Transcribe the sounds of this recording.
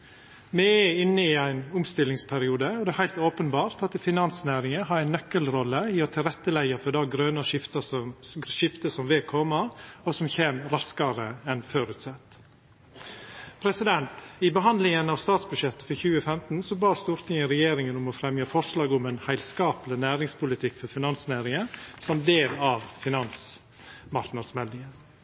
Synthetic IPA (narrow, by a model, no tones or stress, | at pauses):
mɛɛɪnːəɪæɪnʊmst̪ɪlːɪŋspʰæɾɪuːd̪əɔd̪ɛːhæɪlt̪oːpənbɑːɾt̪ɑt̪fɪnɑnsnæːɾɪŋəɦɑɾæɪnːœkːəlɾɔlːəiːɔt̪ʰɪlɾɛt̪ːəlæɪəfɔɖ̪ɑɡɾønəʂɪft̪ɑ | ʃɪft̪əsɔmʋɛkʰɔmɑɔsɔmçeːmɾɑskɑɾəɛnføːɾʉt̪sɛt̪ː | pʰɾɛsɪd̪ɛnt̪ɪbəɦɑnd̪lɪŋənɑʋst̪ɑːt̪sbʉd̪ʂjɛt̪ːə̥fɔɾçʉːəfɛmt̪n̩sɔbɑːst̪uːɾt̪ʰɪŋəɾɛjeːɾɪŋənʊmɔfɾɛmjɑfɔʂlɑːɡʊmɛnhæɪlskɑːplɪnæːɾɪŋspʊlɪt̪ʰɪkːfɔɾfɪnɑnsnæːɾɪŋəsɑmt̪̚d̪eːlɑʋfɪnɑns | mɑɾknɑd̪smɛld̪ɪŋə